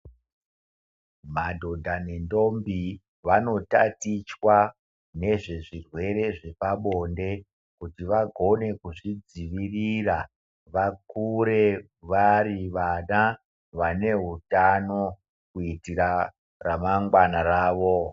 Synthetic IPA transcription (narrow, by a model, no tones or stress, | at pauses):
madʱo̞dʱanendo̞mbi | ʋano̞ta̰tit͡ʃwa | ne̞ʐeʐirwe̞ɾe̞ʐe̞paɓo̞nde̞ | kutiʋaɡʱo̞ne̞kuʐid͡ziʋirira | ʋakuɾe̞ | ʋariʋana | ʋane̞ɦutano̞ | kuitiɾa | ramaŋɡwanaɾaːʋo̞